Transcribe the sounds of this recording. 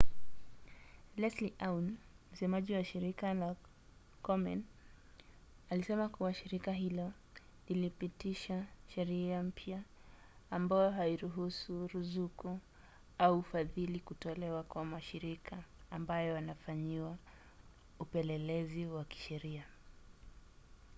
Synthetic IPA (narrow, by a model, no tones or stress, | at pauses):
lɛsliʔawnm̩sɛmaʄiwaʃiɾikala | kɔmɛ̰n | alisɛmakuwaʃiɾikaɦilɔ | lilipitiʃaʃɛɾiam̩pʰjaː | mbajɔɦaiɾuɦusuɾuzuku | aufaðilikutɔlɛwakwamaʃiɾikʰaːmbajɔanafaɲiwa | upɛlɛlɛziwaki̥ʃɛɾia